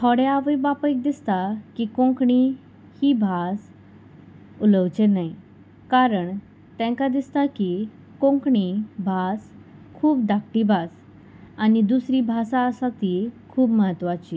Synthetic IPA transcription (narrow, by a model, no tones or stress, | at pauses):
t̪ʰɔɽeaʋəjbapəik̚d̪ist̪akikõŋkɳi | hibʱas | uləʋt͡ɕenai | kaɾəɳ | t̪ɛ̃ŋkad̪ist̪aki | kõŋkɳibʱaskʰuːpd̪akʈibʱas | anid̪usɾibʱasaəsat̪ikʰuːbməɦət̪ːʋat͡ɕi